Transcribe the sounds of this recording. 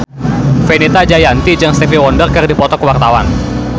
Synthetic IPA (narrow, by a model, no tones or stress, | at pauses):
fenet̪ad͡ʒajant̪id͡ʒəŋst̪efiwɔndərkɨrdipɔt̪ɔkəwart̪awan